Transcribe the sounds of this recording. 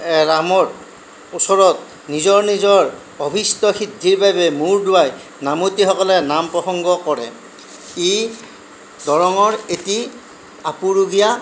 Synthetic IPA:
ɹamɔɹ | usɔɹɔt̚ | nizɔɹnizɔɹ | ɔbʱistɔxidʱiɹbabɛmuɹdʊwaj | namotixɔkɔlɛnampɹɔxɔŋɡɔkɔɹɛ̰ | e | dɔɹɔŋɔɹeti | apuɹuɡija

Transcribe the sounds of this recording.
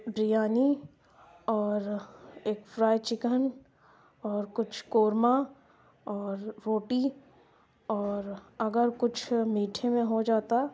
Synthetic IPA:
bɾijaːni | ɔːɾeːkfɾaːjt͡ʃɪkən | ɔːɾkʊt͡ʃʰkoːɾma | ɔːɾːoːʈi | ɔːɾɐɡəɾkʊt͡ʃʰmiːʈʰemẽɦod͡ʒaːt̪a

